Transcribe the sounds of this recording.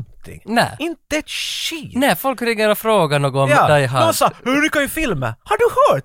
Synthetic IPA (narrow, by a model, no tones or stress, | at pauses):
t̪ʰɪ̰ŋnɛ̰ːɪnt̪əɛt̪ʃiːnɛfɔlkɾɪŋːəɾɔfɾoːɡanoːɡɔɔmːd̪ajɦaʊsɑhʉɾʏkːajʏfɪlmə̰haɖɵhœːʈ